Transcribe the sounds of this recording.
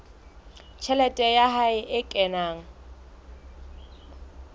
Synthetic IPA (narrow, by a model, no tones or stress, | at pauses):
t͡ʃʰɛlɛtʼɛjaɦaɪʔɪkʼɛnaːŋ̩